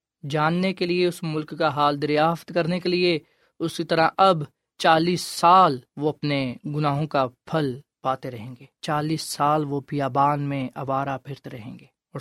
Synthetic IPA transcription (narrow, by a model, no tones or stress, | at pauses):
d͡ʒaːnːekelieʊsmʊlkːaɦaːld̪ɐɾjaːft̪kɐɾnekelie | ʊsit̪ɐɾaʔɐb | t͡ʃaːliːsːaːlʋoɐpneɡʊnaːɦõkapʰɐl | paːt̪eɾɐɦẽːŋɡeːt͡ʃaːliːsːaːlʋopijaːbaːnmẽɐʋaːɾapʰɪɾt̪eɾɐɦẽːŋɡeː | ɔːɾ